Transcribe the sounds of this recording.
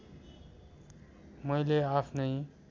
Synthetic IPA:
mʌjleapʰnʌj

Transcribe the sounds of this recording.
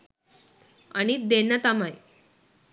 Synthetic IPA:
a̰nid̪enət̪amaj

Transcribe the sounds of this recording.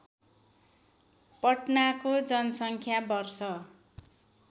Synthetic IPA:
pʌʈnakod͡zʌnʌsʌŋkʰjabʌrsʌ

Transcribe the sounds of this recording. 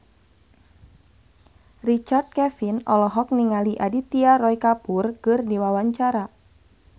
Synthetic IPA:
rit͡ʃard̪̚kɛfinɔlɔɦɔk̚niŋaliʔadit̪iarɔikapurkɨrdiwawaɲt͡ʃaɾa

